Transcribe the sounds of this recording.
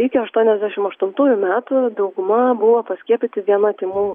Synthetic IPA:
ɪkʲɪɐʃt̪uɔnʲɛzʲd̪ʲæʃʲɪmɐʃt̪ʊnt̪uːjʊmʲæːt̪ʊd̪ɐʊɡʊmɐbʊʋopɐsʲkʲiɛpʲɪt̪ʲɪʋʲiɛnɐt̪ʲɪmuː

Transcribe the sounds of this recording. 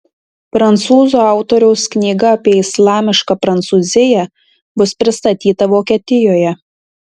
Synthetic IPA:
pɾɐnˑt̪suːzuɑˑʊt̪oːɾʲɛʊsknʲiːɡɐɐpʲiɛɪslˠɑːmʲɪʃkɑpɾɐnt̪suːzʲɪjɛ | bʊspʲɾʲɪst̪ɐt̪ʲiːt̪ɐʋoːkʲeːt̪ʲɪjoːjɛ

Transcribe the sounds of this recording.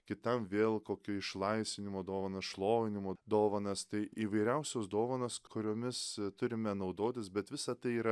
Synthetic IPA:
kʲɪt̪ɐmʋʲeːlˠkoːkʲuɪʃlˠɐɪsʲʋʲɪnʲɪmoːd̪oːʋɐnɐsʃlˠoːjɪnʲɪmoːd̪oːʋɐnɐst̪ɐɪʔiːʋɐɪɾʲɛʊsʲoːsd̪oːʋɐnoskʊɾʲoːmʲɪst̪ʊɾʲɪmʲɛnɐʊd̪oːt̪ʲɪsbʲɛt̪ʋʲɪsɐt̪ɐɪiːɾɐ

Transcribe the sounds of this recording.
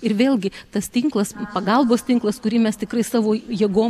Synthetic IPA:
ɪɾʋʲeːlʲˠɡʲɪt̪ɐst̪ʲɪŋklˠɐspɐɡɐlˠboːst̪ʲɪŋklˠɐskʊɾʲiːmʲɛst̪ʲɪkrɐɪsɑːʋoːjiɛɡoː

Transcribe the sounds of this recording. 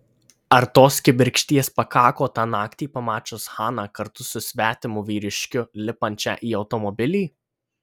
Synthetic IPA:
ɐɾt̪oːskʲɪbʲɪɾʲkʃʲt̪ʲiɛspɐkɑːkoːt̪ɑːnɑːkt̪ʲiːpɐmɑːt͡ʃʲʊshɑːnɑːkɐɾt̪ʊsʊsʲʋʲæːt̪ʲɪmʊʋʲiːɾʲɪʃʲkʲʊlʲɪpɐnʲt̪ʲt͡ʃʲɛ̰ːʔiːɒʊt̪ɔmɔbʲɪlʲiː

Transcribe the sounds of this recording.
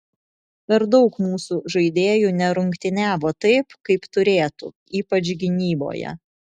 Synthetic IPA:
pʲɛɾd̪ɒʊkmuːsuːʒɐɪd̪ʲeːjuːnʲɛɾʊŋʲkt̪ʲɪnʲæːʋoːt̪ɐɪpkɐɪpt̪ʊɾʲeːt̪uː | iːpɐt͡ʃɡʲɪnʲiːbo̰ːjɛ̰

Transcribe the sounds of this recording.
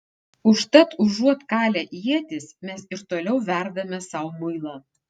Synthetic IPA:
ʊʃt̪ɐt̪ʊʒuɔt̪kɑːlʲɛʔiɛt̪ʲɪsmʲɛsɪɾt̪oːlʲɛʊʋʲæˑɾd̪ɐmʲɛsɑˑʊmʊɪlˠɑː

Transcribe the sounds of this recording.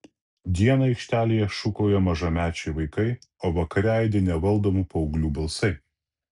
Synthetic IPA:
d̪ʲiɛnɐɐɪkʃʲt̪ʲæːlʲijɛʃʊkoːjɛmɐʒɐmʲæːt͡ʃʲɛɪʋɐɪkɐɪoːʋɐkɐɾʲæɪd̪ʲenʲɛʋɐlˠˑd̪oːmuːpɐɔʊɡlʲuːbɐlˠsɐɪ

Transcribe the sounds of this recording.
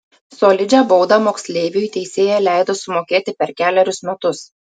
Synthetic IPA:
soːlʲɪd͡ʒʲɛboʊd̪ɐmoːksʲlʲeːʋʲɪjʊt̪ʲɛɪsʲeːjɛlʲæˑɪd̪oːsʊmoːkʲeːt̪ʲɪpʲɛɾkʲæːlʲɛɾʲʊsmʲɛt̪ʊs

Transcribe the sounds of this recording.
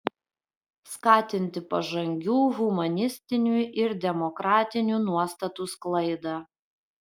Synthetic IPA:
skɑːt̪ʲɪnʲt̪ʲɪpɐʒɐŋʲɡʲuːɣʊmɐnʲɪsʲt̪ʲɪnʲuɪɾd̪ʲɛmɔkɾɑːt̪ʲɪnʲuˑnuɔst̪ɐt̪usklˠɐɪd̪ɑ

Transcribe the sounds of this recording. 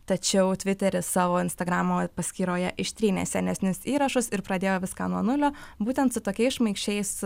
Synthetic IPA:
t̪ɐt͡ʃʲɛʊt̪ʲʋʲɪt̪ʲɛɾʲɪsɑːʋoːɪnst̪ɐɡɾɑːmoːpɐsʲkʲiːɾoːjɛʔɪʃt̪ʲɾʲiːnʲḛːsʲɛnʲɛsʲnʲɪsiːɾɐʃʊsɪɾpɾɐd̪ʲeːjoːʋʲɪskɑ̰ːnuɔnʊlʲoːbuːt̪ʲɛnt̪sʊt̪oːkʲɛɪsʃmɐɪkʃʲt͡ʃʲɛɪs

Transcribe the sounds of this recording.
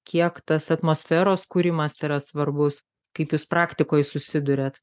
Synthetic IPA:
kʲiɛkt̪ɐsɐt̪moːsʲfʲæːɾoːskuːɾʲɪmɐsiːɾɐsʋɐrbʊs | kɐɪpjuːspɾɑːkt̪ʲɪkoːjsʊsʲɪd̪ʊɾʲet̪

